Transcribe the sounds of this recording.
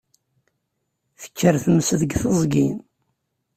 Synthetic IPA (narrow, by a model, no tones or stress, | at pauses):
θə̥kʰːəɾθəməsəðəɡθəzˤɡin